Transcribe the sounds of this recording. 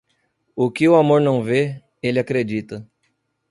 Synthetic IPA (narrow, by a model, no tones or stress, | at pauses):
ʊkɪʊamoɾnɐ̃w̃ve | elɪakɾed͡ʒit̪ɐ